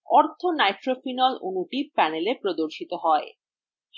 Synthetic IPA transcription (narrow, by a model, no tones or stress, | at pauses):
ɔɾt̪ʰonajʈɾofinɔlunuʈipɛnelepɾod̪oɾʃit̪oɦɔe | ʃ